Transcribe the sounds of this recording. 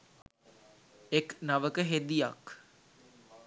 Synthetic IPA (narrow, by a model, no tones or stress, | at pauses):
eknaʋəkəɦed̪ijak